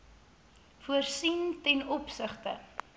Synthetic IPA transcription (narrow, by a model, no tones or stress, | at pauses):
fuərsintɛnɔpsəχtə̰